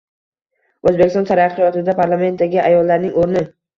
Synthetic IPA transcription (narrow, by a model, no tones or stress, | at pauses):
ɵzbekʲɪst̪ɒnt̪ʰaɾaɾqɨjɒt̪ɪd̪apʰaɾlˠame̞nt̪d̪aɡʲɪʔajɒlˠːaɾnɪŋoɾnɪ